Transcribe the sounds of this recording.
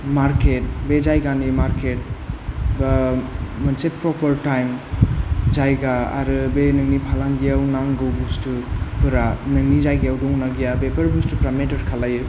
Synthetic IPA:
maɾket̚bed͡ʒajɡanimaɾket̚bamɯnsepɾɔpɐɾtajm | d͡ʒajɡaa̰ɾɯbenɯŋnipʰalaŋɡijawnaŋɡɯwbustupɯɾanɯŋizajɡijawdɔŋnaɡijabepɐɾbustupɾametɐɾkʰalajɯ

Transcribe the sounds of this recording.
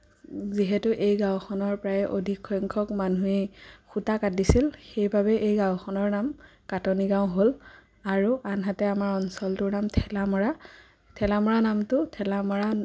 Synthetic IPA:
ziɦɛtʊʔejɡãw̃xʰɔnɔɹpɹaɛʔodʱikʰːɔjŋkʰɔkmanuexutakat̚disilxejbʱabɛʔejɡãwxʰɔnɔɹnamkatoniɡãw̃ɦol | aɹuʔanɦatɛamaɹɔnsɔltʊɹnamtʰɛlamɔɹa | tʰɛlamɔɹanamtʊtʰɛlamɔɹa

